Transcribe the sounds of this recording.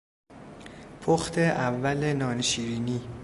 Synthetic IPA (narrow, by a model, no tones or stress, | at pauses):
pʰoxt̪ʰe̞ʔævːælenɒːneʃiːɾiːniː